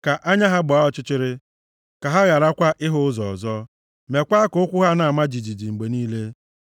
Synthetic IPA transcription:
ka˨ʔa˦ɲa˦ɦa˦ɡ͡bʊ˨a˦ɔ˦˨t͡ʃɪ˦t͡ʃɪ˦ɾɪ˦ | ka˨ɦa˦ɣa˨ɾa˦kʷa˦ʔɪ˦ɦʊ˦zɔ˨ɔ̰˨zɔ˦ | me˨kʷa˦a˦kʊ˦ʊ˦kʷʊ˦ɦa˦na˨a˨ma˦d͡ʒi˨d͡ʒi˨d͡ʒi˨ŋ͡m̩˨ɡ͡be˨niː˦le˦

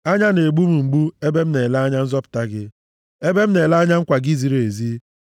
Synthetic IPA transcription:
a˦ɲa˦ne˨ɡ͡bu˦mu˨ŋ͡m̩˨ɡ͡bu˦e˦be˦m̩˦ne˨la˦ɲa˦n̩˦zɔ˦pʊ̥˨ta˦ɡɪ˦ | e˦be˦m̩˦ne˨la˦a˦ɲa˦ŋ̩˦kʷa˨ɡi˦zi˦ɾe˨zi˦

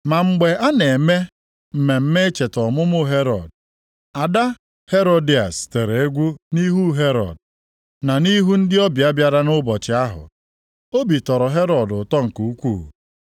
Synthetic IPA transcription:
ma˨ŋ͡m̩˦ɡ͡be˨a˦ne˨me˦ | m̩˨me˨m̩˦me˦e˦t͡ʃe˨tɔ˨mʊ˦mʊ˦ɦe˦ɾɔ̰˨d | a˨da˦ | he˦ɾo˦di˦a˨ste˨ɾe˨e˦ɡʷu˦ni˦ɦu˦ɦe˦ɾɔ̰˨d | na˨ni˦ɦu˦n̩˦dɪ˦ɔ˦bja˦bja˨ɾa˦nʊ˦bɔ˨t͡ʃɪ˨a˦ɦʊ̰˨ | o˦bi˨tɔ˨ɾɔ˨ɦe˦ɾɔ˨dʊ˨tɔ˦ŋ̩˨ku˨u˦kʷṵ˦˨

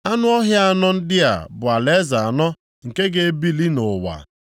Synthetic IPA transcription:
a˦nʊ˦ɔ˦ɦja˦a˦˨nɔ˦n̩˦dɪ˦a̰˨bʊ˨a˨le˦za˨a˨nɔ˦ | ŋ̩˨ke˦ɡe˦bi˦li˦nʊ˨wa̰˨

